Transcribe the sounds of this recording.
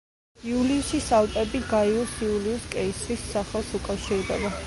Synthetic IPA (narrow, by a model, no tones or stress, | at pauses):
iuliusisalˠp̪ʼɛbiɡaiusiuliuskʼɛisɾisːaχɛlˠsukʼafʃiɾd̪ɛba